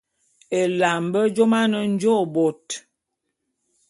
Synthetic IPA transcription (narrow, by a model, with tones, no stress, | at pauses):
e˨la˨mbə˦d͡ʒo˦ma˦nə˦n̩˦d͡ʒo˦bo˨t